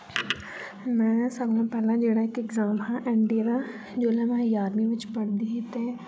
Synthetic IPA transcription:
mɛ̃ːsɐbnãpɛːlãd͡ʒeɽaekekzaːmɦãʔɛ̃ːɳɖiɾa | d͡ʒoːlẽmɛ̃ːjaːɾmiʋɪt͡ʃbɐɽd̪iɦit̪e

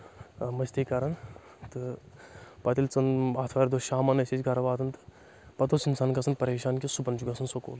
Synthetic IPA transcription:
mɐsʲt̪ikɐɾɐn | t̪ɨ | pɐt̪ilʲt͡sɐnaːt̪ʰʋaːɾd̪oʃaːmɐnɐset͡ʃɡɐɾɐʋaːt̪ɐnt̪ɨ̥ | pɐt̪osinsaːnkɐsɐnpɐɾeːʃaːnkesubɐnd͡ʒuɡɐsʰɐnsoko̰ːn

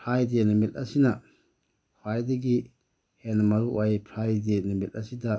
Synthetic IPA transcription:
pʰɾajdenɐmit̚ɐsinɐ | pwajdɐɡi | henɐmɐɾuʔajpʰɾajdenɐmit̚ɐsidɐ

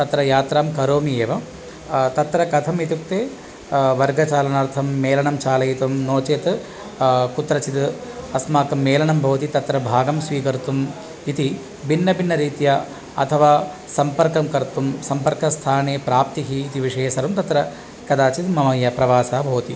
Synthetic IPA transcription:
t̪ɐt̪ɾɐjaːt̪ɾaːmkɐɾoːmieːʋɐ | t̪ɐt̪ɾɐkɐt̪ʰɐmit̪ukt̪eː | ʋɐɾɡɐt͡ʃaːlɐnaːɾt̪ʰɐmːeːlɐɳɐmt͡ʃaːlɐjit̪ɐmnoːt͡ʃeːt̪ | kut̪ɾɐt͡ʃit̪ɐsmaːkɐmːeːlɐɳɐmbʱɐːt̪it̪ɐt̪ɾɐbʱaːɡɐmsʋiːkɐɾt̪um | it̪i | bʱinːɐbʱinːɐɾiːt̪jɐ | ɐt̪ʰɐʋaː | sɐmpɐɾkɐmkɐɾt̪umsɐmpɐɾkɐst̪ʰaːneːpɾaːp̚t̪iɦiːt̪iʋiʂɐjɐsɐɾumt̪ɐt̪ɾɐ | kɐd̪aːt͡ʃit̪mɐmɐjɐpɾɐʋaːsaːɐbʱɐːt̪i

